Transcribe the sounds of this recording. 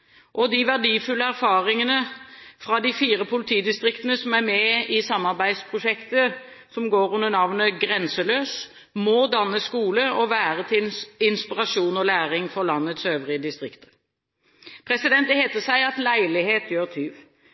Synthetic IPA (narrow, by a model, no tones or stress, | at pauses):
ʔɔd̪ɪʋæʁɖiːfʉlːəæɾfɑːʁɪŋənəfɾɑd̪ɪfiːɾəpʰʊlɪt̪ʰiːd̪ɪst̪ʁɪkt̪ənəsɔmæmɛɪsɑmːɑʁbæɪd̪spʰʁʊʂɛkt̪ə | sɔmɡoːɾʉnːənɑʋnəɡʁɛnsəløːs | mɔd̪ɑnːəskuːləɔʋæːʁət̪ʰɪɪnspɪʁɑʂuːnɔlæːɾɪŋfɔʁlɑnːət̪søːʋʁɪəd̪ɪst̪ʁɪkt̪ə̥ | pʰɾɛsɪd̪ɛnt̪əheːt̪əsæɪɑt̪læɪlɪheːt̪jøːʁt̪ʰyːʋ